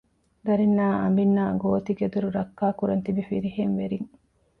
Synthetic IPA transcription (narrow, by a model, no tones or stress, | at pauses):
d̪ɐɾinːaːʔɐ̰mbinːaːɡoːt̪iɡed̪uɾuɾɐkːaːkuɾɐnt̪ibifiɾiheŋʋeɾiŋ